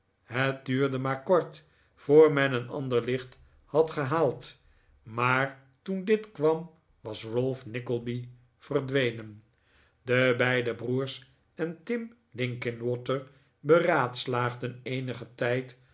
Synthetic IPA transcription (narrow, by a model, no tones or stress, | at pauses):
ɦət̚dyːɹdəmaːɹkɔɹt | foːɹmɛnənɑ̰ndəɹlɪχt | hɑtχəɦaːlˠt | maːɹ | tundɪtkʋɑm | ʋɑsrɵlˠfnɪkəlˠbi | v̥ərdʋejnən | dəbɛjdəbruːɹs | ɛntɪm | lɪŋkɪnwɔtəɹ | bəraːtslaːχdənejnəχətɛjt